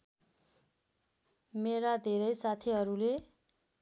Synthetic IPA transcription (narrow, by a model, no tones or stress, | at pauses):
meɾad̪ʱeɾʌjsat̪ʰiɦʌɾule